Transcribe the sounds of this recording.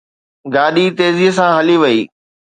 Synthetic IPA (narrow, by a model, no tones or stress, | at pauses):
ɡaːɗit̪eːziɦsãɦɐliʋɐiː